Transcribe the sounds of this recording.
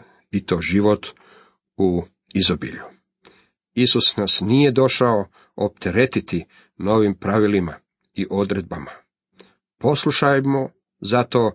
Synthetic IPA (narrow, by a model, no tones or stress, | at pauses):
it̪oːʒiʋo̞t̪ | u | izobḭʎu | isusnasnije̞d̪o̞ʃao | op̚t̪ʰeɾe̞t̪it̪i | no̞ːʋimpɾaʋilima | iʔo̞d̪ɾe̞d̪̚bama | po̞slˠuʃajmo | zat̪o̞ː